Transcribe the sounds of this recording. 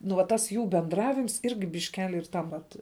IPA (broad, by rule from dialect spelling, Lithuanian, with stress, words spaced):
nʊ ʋɐ ˈtɐs ˈjuː bʲɛndˈrɑːʋʲɪms ˈɪrʲɡʲɪ bʲɪʃʲˈkʲæːlʲɪ ɪr ˈtɐm ʋɐt